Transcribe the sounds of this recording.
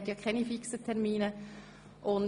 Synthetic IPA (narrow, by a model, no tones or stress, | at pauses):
tjɑkʰɛnifiksətʰɛʁmiːnə | ʔʊn